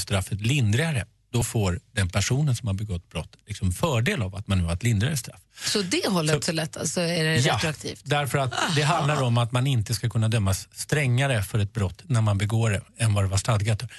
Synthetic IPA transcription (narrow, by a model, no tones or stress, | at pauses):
st̪ɾafːət̪lɪnd̪ɾɪaɾə̰ | d̪̥ɔfoːɾd̪ɛnpʰæʂuːnənsɔmhaɾbɛɡɔt̪ːbɾɔt̪ːlɪksɔmfœːɖeːlava̰t̪̚manːʉːhaɾɛt̪lɪnd̪ɾaɾəst̪ɾa̰fːsɔd̪ɛhɔlːəsɔlɛt̪ʰːa̰lsɔæɖɛjaɾakt̪ʰḭːft̪d̪æɾfəɾat̪d̪ɛɦand̪laɾɔmat̪manɪnt̪əskakʰɵnːad̪œmːasːt̪ɾɛŋːaɾəfœɾɛt̪̚bɾɔt̪ːnæɾmanbɛɡoːɾɛɛnvad̪ɛvaʂt̪ad̪ɡat̪ːəɾ